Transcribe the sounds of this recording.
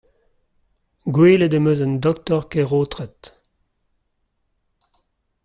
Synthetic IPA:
ɡweːledəmøzənd̪ɔk̚t̪ɔʁkeʁoːt̪ʁɛt̪

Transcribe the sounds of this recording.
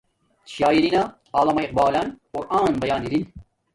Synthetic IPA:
ʃɑːjiɾina | ɑːlˠɐmɐiq̚bɑːlanqʊɾʔɑːnbɐjaːniɾin

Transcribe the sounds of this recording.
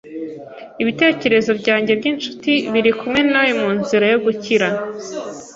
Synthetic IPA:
iβite̞ːce̞ɾe̞zo̞bɟaːɲɟe̞bɟinʃu̥tiβiɾikumŋe̞nawemuːnziɾajo̞ɡuciɾa

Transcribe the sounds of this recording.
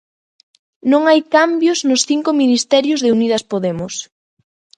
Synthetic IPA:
nõŋajkambjʊznʊsθiŋkʊminist̪ɛɾjʊzðɪuniðɐspoðɛmʊs

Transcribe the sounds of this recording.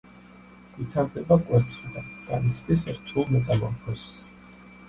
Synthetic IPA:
vit̪ʰaɾd̪ɛbakʼwɛɾt̪sʰχid̪aɡanit̪sʰt̪ʼisɾt̪ʰulˠmɛt̪ʼalɔɾpʰɔs

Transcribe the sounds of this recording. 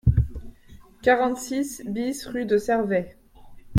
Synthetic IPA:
kaʁɑ̃t̪sisbisʁyd̪əsɛʁvɛ

